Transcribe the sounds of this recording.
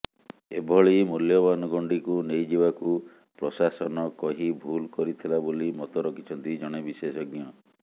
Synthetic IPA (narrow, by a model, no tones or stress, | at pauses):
ḛbʱɔɭimuljɔbanɔɡɔɳɖikunejd͡ʒibaku | pɾɔsasɔnɔkɔɦibʱulkɔɾit̪ʰilabolimɔt̪ɔɾɔkʰit͡ʃʰɔnt̪id͡ʒɔɽ̃ebisesɔɡjɔ